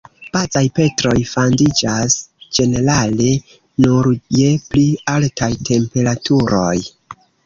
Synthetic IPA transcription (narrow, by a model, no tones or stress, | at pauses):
pat͡sajpe̞tɾo̞jfondid͡ʒasd͡ʒe̞ne̞ɾale̞ | nuɾjeplialtajtʰe̞mpe̞ɾatʰuɾo̞̰j